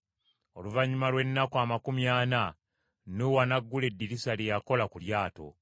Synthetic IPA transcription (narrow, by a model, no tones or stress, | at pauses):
o̞luvaɲːumalwe̞nːakuamakumjaːna | nuwanaɡːule̞dːiɾisalijako̞lakuljaːto̞̰